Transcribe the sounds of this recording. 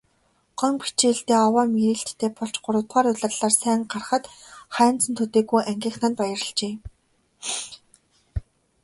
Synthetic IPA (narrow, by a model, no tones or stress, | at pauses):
ɢ̥œŋpi̥t͡ɕeːɬt̪eːɔwaːmiɾiːɬt̪ʰːeːpɔɬt͡ɕɢʊɾʊ̆wt̪ɢaːɾʊɮărɮaːrsæːŋɢarχə̆t̪χæːn̥t͡sə̆nt̪ʰɵt̪eːɣujʔæŋɡʲiːxnănpajə̆rə̆ɮt͡ɕeː